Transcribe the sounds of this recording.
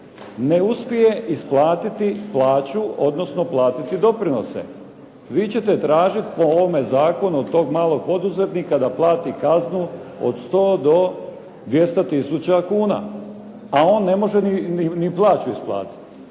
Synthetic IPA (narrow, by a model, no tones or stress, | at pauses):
neuspjije̞ʔisplˠaːt̪it̪iplˠaːt͡ɕuo̞d̪no̞sno̞plˠaːt̪it̪id̪o̞pɾino̞̰sḛ | ʋiːt͡ɕe̞t̪e̞t̪ɾaːʒit̪pooʋomezaːko̞nuod̪t̪ːo̞ːɡmaːlˠo̞ɡ̚po̞d̪uzet̪nikad̪aplˠaːt̪ikaznuo̰d̪st̪o̞ːd̪o̞ | d̪ʋje̞st̪at̪isut͡ɕakuːna̰ | ao̞ːnːe̞mo̞ʒeniiniplˠaːt͡ɕuisplˠa̰ːt̪i̥t̪